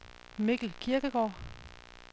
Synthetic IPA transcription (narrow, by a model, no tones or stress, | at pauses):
meɡ̥l̩kʰiɐɡ̥əɡ̥ɒ̰ː